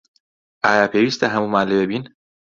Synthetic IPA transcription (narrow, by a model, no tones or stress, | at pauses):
aːjɑːpʰeʋist̪aɦamumaːlebebin